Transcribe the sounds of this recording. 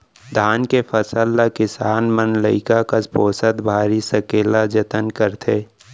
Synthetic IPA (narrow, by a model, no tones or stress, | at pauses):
d̪ʱaːnkepʰəsəlːakɪsaːnmənləɪkakaspoːsəd̪bʱaːɾisəkeːlad͡ʒət̪ənkəɾt̪ʰeː